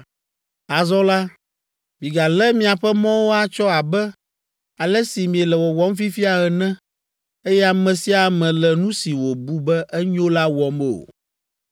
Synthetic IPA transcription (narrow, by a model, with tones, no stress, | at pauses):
a˨zɔ˦la˦ | mĩ˨ɡa˨lɛ˦mĩ˦a˨ɸɛ˦mɔ̃˦wo˦a˦t͡ʃɔ˦a˨bɛ˦ | a˨lɛ˦si˨mĩ˨ɛ˨lɛ˨wɔ˨wɔ˦m˦fi˦fi˦a˨ɣɛ˨nɛ̃˦ | e˦jɛ˦a˨mɛ̃˨si˦a˨mɛ̃˨lɛ˨nũ˦si˨wo˨bu˦bɛ˦ʔɛ˦ɲo˦la˦wɔ˦m˦o̰˨